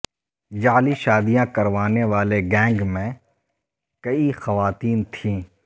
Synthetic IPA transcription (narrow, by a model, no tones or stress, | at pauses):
d͡ʒaːliʃaːd̪ijãkɐɾʋaːneʋaːleɡɛ̃ːŋɡmẽ | kɐixɐʋaːt̪iːnt̪ʰĩː